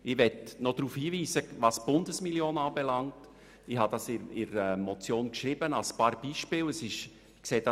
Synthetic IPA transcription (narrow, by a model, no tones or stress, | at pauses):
ɪʋɛtnod̥ɾuːfhiːviːsəvɑsb̥ʊndəsmiljoːnɑːbɛlɑŋt | ɪhɑd̥ɑsɪɪɾɛmɔt͡sjoːnkʃɾibənɑlspɑːɾb̥iːʃpɪːləsɪʃ | kseːdɑ